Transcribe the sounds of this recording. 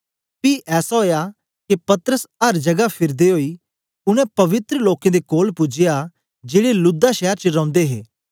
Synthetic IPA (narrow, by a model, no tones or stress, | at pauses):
piːʔɛːsaɦoːja | kepɐt̪əɾəsɐɾd͡ʒɐɡapʰɪɾd̪eɦoːiː | ʊñɛ̃pɐʋɪt̪ɾəloːkẽd̪ekoːlpʊd͡ʒɪja | d͡ʒeːɽelʊd̪aʃɛːəɾt͡ʃəɾɔ̃ʊ̃nd̪eɦḛː